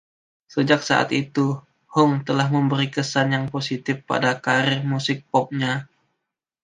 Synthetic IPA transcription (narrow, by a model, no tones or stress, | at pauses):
səd͡ʒak̚sa̰ʔa̰t̪it̪u | hɔŋt̪əlahməmbəɾikəsanjaŋposit̪ɪfpa̰dakaɾɪrmusɪk̚pɔp̚ɲa